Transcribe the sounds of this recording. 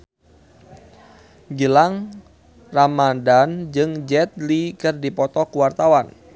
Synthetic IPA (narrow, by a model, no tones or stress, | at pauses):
ɡəlaŋ | ramadand͡ʒɨŋd͡ʒɛt̪̚likɨrdipɔt̪ɔkuwart̪awan